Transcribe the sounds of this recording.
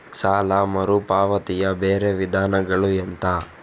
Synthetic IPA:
saːlamɐɾupaːʋɐt̪ijɐbeːɾeʋid̪ʱaːnɐɡɐɭuent̪a

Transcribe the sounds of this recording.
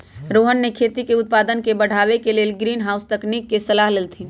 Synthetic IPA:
ɾoːɦənːekʰeːt̪ikeʊt̪̚paːd̪ənkebəɽ̤ʱaːʋekeleːlɡɾiːnɦaːʊst̪əkniːkːesɐlaːɦlelt̪ʰi

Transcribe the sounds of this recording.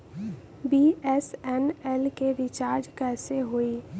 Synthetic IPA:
biɛsɛnɛlkeɾɪt͡ʃaːɾd͡ʒkɛːseɦoi

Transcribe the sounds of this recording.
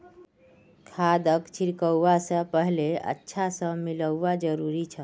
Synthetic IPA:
kʰad̪əkt͡ʃʰiɾkəwːasə̃pəɦleə̰tːʃʰasə̃miləwːad͡ʒəɾuɾit͡ʃʰə

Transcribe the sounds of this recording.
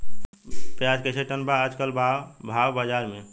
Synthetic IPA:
pjad͡ʒket͡ʃʰeʈənbaəd͡ʒkəlbabʱaʋbad͡ʒaɾmẽ

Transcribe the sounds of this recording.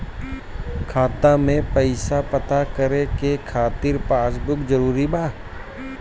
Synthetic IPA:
kʰaːt̪amẽpəɪsapɐt̪akəɾekekʰaːt̪ɪɾpaːsbʊkd͡ʒəɾuːɾibaː

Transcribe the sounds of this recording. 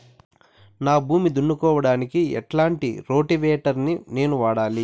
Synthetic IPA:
naːbʱuːmid̪uɳːukɔːʋɐɽaːnikiɛ̰ʈlaːɳʈḭɾo̞ːʈiʋeːʈɐɾnine̞ːnuʋaːɽaːli

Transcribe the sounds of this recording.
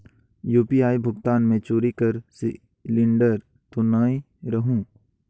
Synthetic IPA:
juːpiaːibʱʊɡt̪aːnmẽt͡ʃoːɾikəɾsi | lɪ̃ɳɖəɾ | t̪onaːĩ | ɾɐɦũː

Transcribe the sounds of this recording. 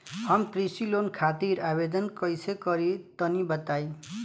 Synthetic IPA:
ɦʌmpɾisilonkʰat̪iɾabed̪ʌnkʌjsekʌɾit̪ʌnibʌt̪aj

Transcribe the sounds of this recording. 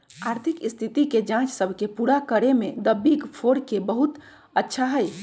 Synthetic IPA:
aɾt̪ʰikist̪ʰit̪iked͡ʒãt͡ʃsəbʱkepuɾakəɾemed̪əbːikpʰoɾkebəɦut̪ | ətːʃʰaɦəj

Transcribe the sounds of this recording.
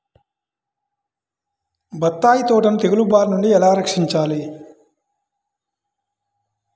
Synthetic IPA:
bɐt̪ːaːjit̪oːʈɐnut̪eɡulubaːɾnuɳɖiɛlaːɾɐkʂiɲt͡ʃaːli

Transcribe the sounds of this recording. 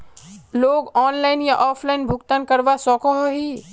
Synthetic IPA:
loːɡɔːnlaːɪnjaʔɔːpʰlaɪnbʱʊkt̪ankɐɾʋasɔːkɔɦɔɦi

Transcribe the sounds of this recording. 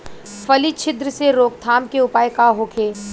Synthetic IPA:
fɐlit͡ʃʰɪd̪ɾəseɾoːk̚t̪ʰaːmkeʊpaːjkaɦoːkʰeː

